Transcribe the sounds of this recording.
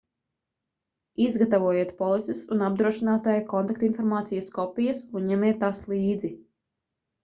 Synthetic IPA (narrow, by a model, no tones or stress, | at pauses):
izɡat̪avuɔjeɛt̪pɔlˠisɛsunab̚d̪ɾuɔʃinaːt̪ajkɔnt̪akt̪infɔɾmaːt̪sijuskɔpijɐsunɲɛmiɛt̪ːaslˠiːd̪zi